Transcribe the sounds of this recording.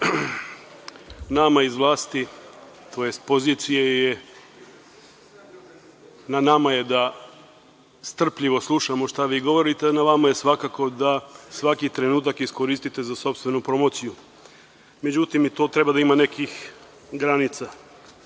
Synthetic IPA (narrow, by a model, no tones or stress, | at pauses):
namaizʋlˠaːst̪i | t̪o̞jest̪̚po̞ziːt̪sijeje | nanamaje̞d̪a | st̪r̩pʎiʋo̞slˠuʃamo̞ʃt̪aʋiːɡo̞ʋo̞ɾit̪eanaʋamaje̞sʋakako̞d̪asʋakit̪ɾe̞nuːt̪akisko̞ɾist̪it̪ezaso̞pst̪ʋe̞nupɾo̞mo̞ːt̪siju | me̞d͡ʑut̪imit̪oːt̪ɾe̞bad̪aimane̞kix | ɡɾanit̪sa